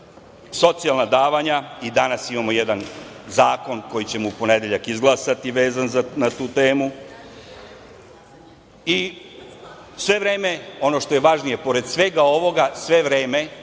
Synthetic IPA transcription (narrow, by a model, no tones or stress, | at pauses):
so̞t̪sialnad̪aːʋaɲaid̪anasimamo̞jed̪anzaːko̞nko̞jit͡ɕe̞moupo̞ned̪eʎakizɡlˠasat̪iʋe̞ːzanzanat̪uːt̪eːmu | i | sʋe̞ʋɾeːme̞o̞no̞ʃt̪o̞jeʋaʒnije̞po̞ɾed̪sʋe̞ɡao̞ʋo̞ɡasʋe̞ʋɾeːme̞